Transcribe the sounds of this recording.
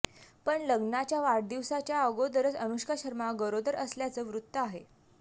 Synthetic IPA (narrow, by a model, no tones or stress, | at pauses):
pəɳləɡnat͡ɕjaʋaɽd̪iʋsat͡ɕjaəɡod̪əɾəd͡zənuɕkaɕəɾmaɡəɾod̪əɾəsljat͡səːʋɾut̪ːəaɦe